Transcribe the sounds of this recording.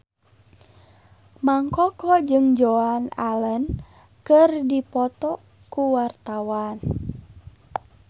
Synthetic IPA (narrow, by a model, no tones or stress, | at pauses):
maŋkɔkɔd͡ʒɨŋd͡ʒoanalən | kɨrdipɔt̪ɔ | kuwart̪awan